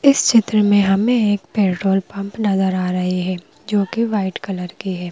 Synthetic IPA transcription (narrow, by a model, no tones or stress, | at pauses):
ɪst͡ʃɪt̪ɾəmẽɦɐmẽeːkpeːʈɾoːlpɐ̃mpnɐzəɾaːɾɐɦiɦɛː | d͡ʒoːkeʋaːɪʈkɐləɾkiɦɛː